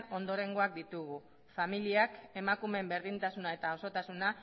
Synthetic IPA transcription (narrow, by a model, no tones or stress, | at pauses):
o̞nd̪o̞ɾe̞ŋɡo̞ak̚d̪it̪uɣ̞u | familiake̞makume̞mbe̞ɾðint̪asunae̞t̪ao̞so̞t̪asuna